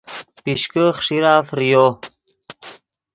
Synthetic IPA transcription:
piʃkəχʂiɾaːfɾijo

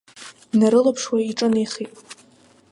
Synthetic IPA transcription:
naɾɨlapʰʂwaiʈ͡ʂʼɨnejχitʼ

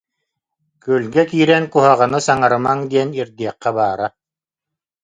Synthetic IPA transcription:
kyːlɡɛkiːɾɛnkuɦaʁanɯsaŋaɾɯmaŋd̪iɛniɾd̪iɛqːɛbaːɾa

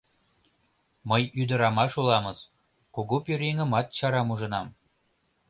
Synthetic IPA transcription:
məjyd̪ə̆ɾɑmɑʃulɑməz | kuɣupyɾʲeŋə̆mɑt̪̚t͡ɕɑɾɑmuʒə̆nɑm

